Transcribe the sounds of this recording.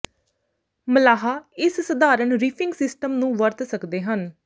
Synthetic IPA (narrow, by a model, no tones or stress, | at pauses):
məlaːɦaːɪssəd̪aːɾəɳɾiːpʰɪŋɡsɪsʈəmnũːʋəɾt̪səkd̪eːɦən